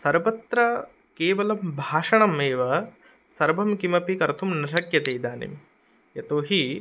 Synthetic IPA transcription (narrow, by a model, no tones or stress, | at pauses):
sɐɾʋɐt̪ɾɐ | keːʋɐlɐmbʱaːʂɐɳɐmeːʋɐ | sɐɾbʱɐmkimɐpikɐɾt̪ʰumnɐʃɐkjɐt̪eːd̪aːnḭm | jɐt̪oːɦi